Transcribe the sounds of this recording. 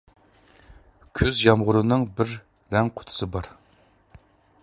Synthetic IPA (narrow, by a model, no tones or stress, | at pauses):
kʲʰyzjɑmʁʊɾɨnɨŋbɪɾː | ɛŋqʰʊ̥t̪ʰʊ̥sɨbɑɾ